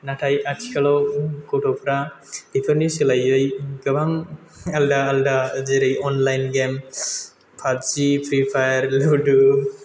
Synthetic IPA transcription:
naʈʰajʔatʰi̥kʰalɔwkoʈʰɔpʰɾa | dipʰɔɾniselajːɯjɡɯbaŋ | aldaːldazeɾɯjɔnlajnɡem | pʰatd͡ʒipʰɾipʰajɾluɖu

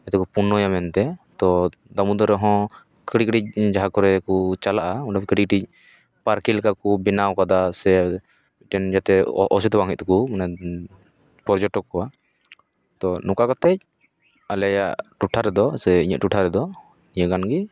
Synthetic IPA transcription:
ɛt̪ɛkupunːɔjamɛnt̪ɛt̪ɔ | d̪amud̪ɔɾɛɦɔ̃ | kəɽik̚ɖic̚d͡ʒaɦakɔɾɛkut͡ʃalaʔauɖakɽik̚ʈic̚ | paɾkilkakubinawkad̪asɛ | biʈɛnd͡ʒat̪ɛɔsit̪ɔbaŋɦic̪̚t̪ukumana | pɔɾd͡ʒɔʈɔkːɔwa | t̪ɔnũkakɔt̪ɛc̚ | alɛajaʔʔʈuʈʰaɾɛd̪ɔsɛiɲə̰ʔʈuʈʰaɾɛd̪ɔ | niɲəɡanɡi

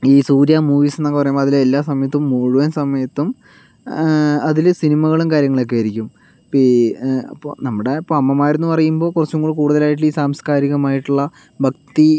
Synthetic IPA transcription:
iːsuːɾjaːmuːʋiːsenːɐŋkːɐpɐrɐjumboɐðilelːaːsɐmɐjɐt̪ːumːuːɻuʋɐnsɐmɐjɐt̪ːum | ɐðilsinimɐɣɐɭumkaːɾjɐŋːɐɭok̬ːeɐɾikʲːum | piɐ̰pːo̰ːnɐmːuɽeipːoɐmːɐmaːjiɾunːupɐrɐjumboːkurɐt͡ɕːumkuːɽkuːɽuðɐlaːjiʈ̬ːɨliːsaːmskaːɾiɣɐmaːjiʈːuɭːɐ | bʱɐkt̪i

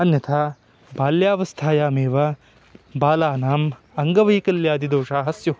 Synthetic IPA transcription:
ɐnjɐt̪ʰaː | baːljaːʋɐst̪ʰaːjaːmeːʋɐ | baːlaːnaːm | ɐŋɡɐʋɐjkɐljaːd̪id̪oːʂaːɦɐsju

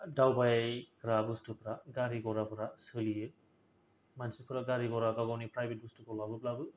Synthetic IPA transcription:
dawbajkɾabustupɾaɡaɾiɡɔɾapʰɔɾasɯlie | mansupʰɔɾaɡaɾiɡɔɾakaɡɔwnipɾajbet̚bustukɔlabɯplabɯ

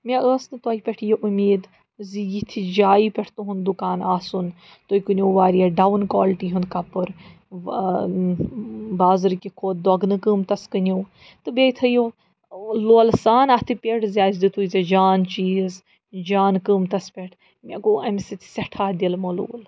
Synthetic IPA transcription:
mʲeəːsnɨt̪aːipʲeʈʰijoʔumʲeːd̪ | zijit̪ʰid͡ʒaːipʲɛʈʰt̪uɦund̪ukaːnaːsun | t̪oːjkunʲoːʋaːɾijaɖawnkaːlʈiɦund̪kɐpɨɾ | baːzɨɾkʲikʰoːt̪̚d̪ɔɡnɨkɨːmt̪ɐskɨnʲoː | t̪ɨbet̪ʰɐjo | loːlsaːnɐt̪ʰɨpʲeɽzʲaːzd̪it̪ʰujzɐd͡ʒaːnt͡ʃiːz | d͡ʒaːnkɨːmt̪ɐspʲeʈʰ | mʲekoːɐmʲsit̪ʰsʲɐʈʰaːd̪ʲilmolo̰ːl

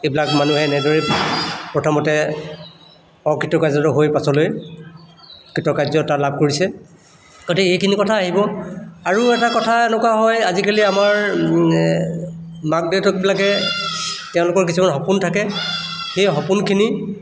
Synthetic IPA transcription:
ebilak̚manuɦɛnɛdɔɹipɹɔtʰɔmɔtɛ | ɔkʰitːɔkajzatʊɦojpasɔloj | kitɔkajzɔtalab̚ʱkoɹisɛ | ɡ̥otikejkʰinikɔtʰaːɦibɔaɹuɛtakɔtʰaɛnɔkwaɦɔjazikaliamaɹ | mak̚detɔk̚bilakɛ | tɛʊ̃lʊkɔɹkisʰumanɦɔpuntʰakɛxejɦɔpunkʰini

